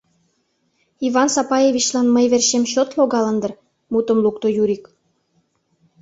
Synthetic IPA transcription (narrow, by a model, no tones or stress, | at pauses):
ivɑnsɑpɑjevʲit͡ɕlɑnməjβerʃemɕot̪loɣɑlənd̪ər | mut̪əmlukt̪ojuɾik